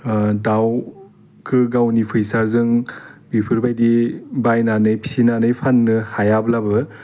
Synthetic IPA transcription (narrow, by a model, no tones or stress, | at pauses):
daw | kʰɯɡawnipʰɯjsaɾzɯŋbipʰɯɾbajdibajnanɯjpʰi̥sinanɯjpʰanːɯhajablabɯ